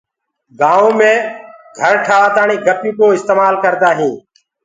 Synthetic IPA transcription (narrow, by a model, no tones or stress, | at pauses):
ɡãːõːmẽːɡʱəɾʈʰaːʋaːt̪aːɳiːɡəpjũːkoːɪst̪eːmaːlkəɾd̪aːɦĩː